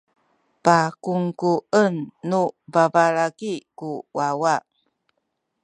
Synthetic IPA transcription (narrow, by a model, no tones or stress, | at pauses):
pakuŋkuənːubabalaɡikuwawa